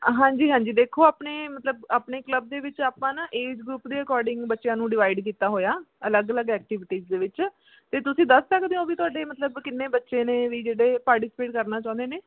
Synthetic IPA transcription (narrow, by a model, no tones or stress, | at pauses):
ɦãːɲd͡ʒiːɦãːɲd͡ʒiːd̪eːkʰːoːaːpneːmət̪ləbaːpneːkləb̚d̪eːʋɪt͡ʃaːpãːnaʔeːd͡ʒɡɾuːpd̪eːəkɔːɾɖɪŋɡbətːʃjãːnũːɖɪʋaːɪɖkiːt̪aːɦoːjaːələɡələɡɛːk̚ʈɪːʋɪʈiːzd̪eːʋɪt͡ʃ | t̪eːt̪ʊsĩːd̪əsːəkd̪eõːʋiːt̪ʊaːɖeːmət̪ləbkɪnːeːbətːʃẽːneːʋiːd͡ʒeːɽeːpaːɾʈɪsɪ̥peːʈkəɾnaːt͡ʃãːʊ̃nd̪eːneː